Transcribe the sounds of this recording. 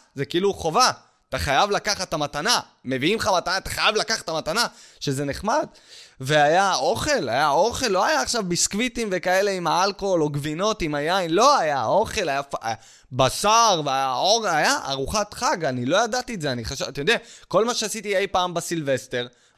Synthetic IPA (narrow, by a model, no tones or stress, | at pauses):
zekiiːluχo̞va | t̪aχajavlakaχat̪amatana | me̞viimχamat̪anat̪ḁχajavlakaχḁtamatanaʃe̞ze̞neχmad | veajao̞χe̞lajao̞χe̞lːo̞ajaːχʃavbiskvitimve̞kae̞le̞imhaalkoolo̞ɡvino̞timajajnlo̞ajao̞χe̞lajafa | basaʁveajaoʁajaʔa̰ʁuχat̪χaɡanilo̞jad̪at̪ietzeaniχaʃatajod̪eako̞lmaʃeasit̪iejpaːmbasilve̞ste̞ʁ